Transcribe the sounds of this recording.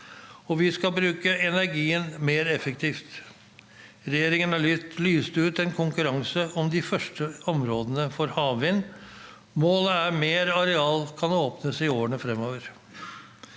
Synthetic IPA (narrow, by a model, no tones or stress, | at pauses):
ɔʋɪskɑbɾʉːkəɛnæɾɡiːənmeːɾɛfəkt̪ʰiːft̪ | ɾɛjeːɾɪŋənɑɭlyːst̪ʉːt̪ɛnkʰʊŋkʉɾɑŋsəʔɔmd̪ɪfœʂʈəɔmɾoːd̪ənəfɔɾhɑːʋʋɪnː | moːləæɾmeːɾɑɾɛɑːlkʰɑnoːpnəsɪoːəɳəfɾɛmoːʋəɾ